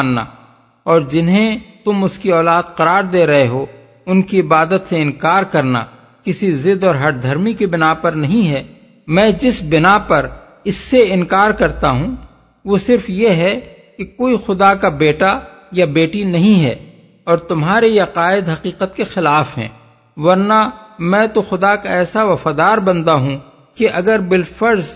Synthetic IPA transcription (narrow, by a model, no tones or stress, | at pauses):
nːa̰ | ɔːɾd͡ʒɪnɦẽt̪ʊmʊskiɔːlaːd̪qɐɾaːɾd̪eːɾɐɦeɦo | ʊnkiɪbaːd̪ət̪seɪ̃nkaːɾkɐɾna̰ | kɪsizɪd̪ɔːɾɦɐʈd̪ʱɐɾmikebɪnapɐɾnɐɦĩɦɛː | mɛ̃ːd͡ʒɪsbɪnapɐɾ | ɪsːeɪ̃nkaːɾkɐɾt̪aɦũ | ʋosɪɾfjeɦɛ | kekoːixʊd̪akabeːʈa | jabeːʈinɐɦĩɦɛ̰ː | ɔːɾt̪ʊmɦaːɾejeqaːɪd̪ɦɐqiːqət̪kexɪlaːfɦɛ̰̃ː | ʋɐɾnamɛ̃ːt̪oxʊd̪akaɛːsaʋɐfaːd̪aːɾbɐ̃nd̪aɦũ | keʔɐɡəɾbɪlfɐɾz